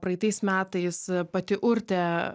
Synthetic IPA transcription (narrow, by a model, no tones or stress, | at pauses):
pɾɐɪt̪ɐɪsmʲæːt̪ɐɪspɐt̪ʲɪʔʊɾʲt̪ʲɛ